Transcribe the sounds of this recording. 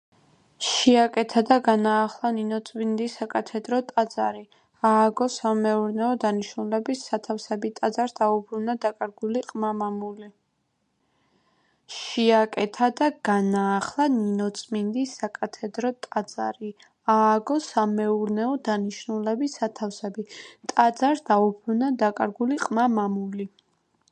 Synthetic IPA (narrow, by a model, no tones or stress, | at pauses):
ʃiakʼɛt̪ʰad̪aɡanaːχlˠaninɔt̪sʼmind̪isːakʼat̪ʰɛd̪ɾɔt̪ʼad̪z̥aɾi | aːɡɔsamɛuɾnɛɔd̪aniʃnulɛbisːat̪ʰafsɛbit̪ʼad̪zaɾd̪aubɾunad̪akʼaɾɡuliqʼmamamuli | ʃiakʼɛt̪ʰad̪aɡ̥anaːχlˠaninɔt̪sʼmind̪isakʼat̪ʰɛd̪ɾɔt̪ʼad̪z̥a̰ɾi | aːɡɔsamɛuɾnɛɔd̪aniʃnulɛbisat̪ʰafsɛbit̪ʼad̪zaɾd̪̥aubɾunad̪akʼaɾɡuliqʼmamamuli